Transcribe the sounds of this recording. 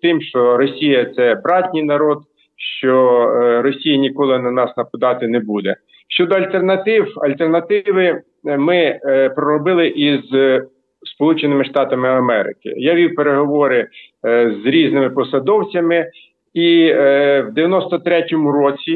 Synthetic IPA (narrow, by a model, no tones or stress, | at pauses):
t̪ɪmʃt͡ʃɔɾɔsʲijɐt̪sɛbɾɑtʲnʲijnɐɾɔd̪̚ | ʃt͡ʃɔɾɔsʲijɐnʲikɔlˠɪnɐnɑsnɐpʊd̪ɑt̪ɪnɛbud̪ɛ | ʃt͡ʃɔd̪ɔɐlʲt̪ernɐt̪ɪwɐlʲt̪ernɐt̪ɪʋɪ | mɪpɾɔɾɔbɪlˠɪʔiz | spɔlˠut͡ʃenɪmɪʃt̪ɑt̪ɐmɪɐmɛɾɪ̰kɪ̰jaʋʲiwpeɾeɦɔʋɔɾɪzɾʲiznɪmɪpɔsɐd̪ɔwt͡sʲɐmɪ | i | wd̪eʋʲjɐnɔst̪ɔt̪ɾɛtʲɔmuɾɔt͡sʲi